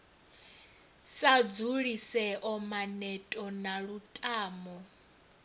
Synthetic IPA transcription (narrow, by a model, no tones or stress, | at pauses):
sad͡zuɺisɛʔɔmanɛtʼɔnaɺutʼaːmɔ